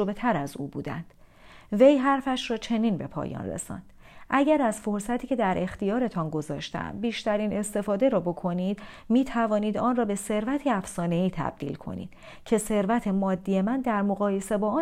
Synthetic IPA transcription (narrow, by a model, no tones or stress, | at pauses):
obet̪ʰæɾæzṵːbṵːd̪æ̰nd̪̥ | ve̞jɦæɾfæʃɾɒːt͡ʃʰe̞ninbe̞pʰɒ̰ːjɒ̰ːnrḛsɒ̰ːnd̪̥ | ʔæɟæɾæzfo̞ɾsæt̪ʰiːcʰe̞d̪æɾʔe̞xt̪ijɒːɾe̞t̪ʰɒnɡo̞zɒːʃt̪æ̰mbiːʃt̪æɾiːne̞st̪e̞fɒːd̪e̞ɾɒːbo̞kʰo̞nid̪miːt̪ʰævɒːniːd̪ɒːnrɒːbe̞se̞ɾvæt̪ʰeæfsɒːne̞iːt̪ʰæ̰b̥̚d̪ḭlkʰo̞̰nḭːd̪̥ | cʰe̞se̞ɾvæt̪ʰe̞mɒːd̪ːije̞mænd̪æɾmo̞ɣɒːje̞se̞bɒːɒ